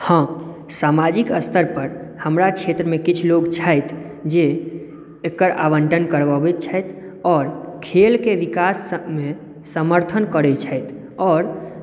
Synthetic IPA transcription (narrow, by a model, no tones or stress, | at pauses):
hə̃ | samad͡ʒikəst̪ʰəɾpəɾhəmɾat͡ʃʰet̪ɾəmẽkit͡ʃʰloɡt͡ʃʰaɪt̪ʰ | d͡ʒe | ekːəɾa̰bəɳʈənkəɾʋabet̪̚t͡ʃʰəjt̪ʰ | ɔːɾkʰelkeʋikasəmẽ | səməɾt̪ʰənkəɾɛt͡ʃʰəɪt̪ʰ | ɔːɾ